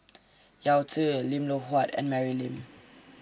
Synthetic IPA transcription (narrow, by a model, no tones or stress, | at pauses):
jawtʰəlĩmloɦwɔtɛ̰̃nmɛɹilĩm